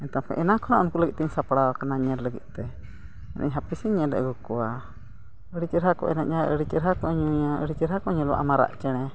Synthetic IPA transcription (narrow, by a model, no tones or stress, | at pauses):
ɛnt̪amkɛ̰ʔɛnakʰɔnaʔɔnkuləɡit̪t̪ɛɲsapɽawakanaɲɛdləɡḭt̪̚t̪ɛ | ɛnʔə̰ɲɦapisiɲɛdɛ̰ʔɡukɔwa | əɽit͡ʃəɾɦakɔ̰ʔɛ̰na̰ʔɲaəɽit͡ʃəɾɦakɔɲuaə̰ɽit͡ʃəɾɦakɔɲɔlɔwa̰ʔamaɾa̰ʔt͡ʃɛɽ̃ɛ